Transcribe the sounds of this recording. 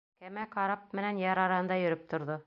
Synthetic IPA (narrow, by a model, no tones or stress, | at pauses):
kæmæqɑɾɑp̚mɘ̆nænjɑɾɑɾɑhɤ̆nd̪ɑjɵ̆ɾɘp̚t̪ʰŏɾðo